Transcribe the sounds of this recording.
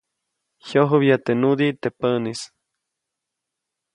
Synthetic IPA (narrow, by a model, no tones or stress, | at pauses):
hoɦubjat̪enud̪it̪epənis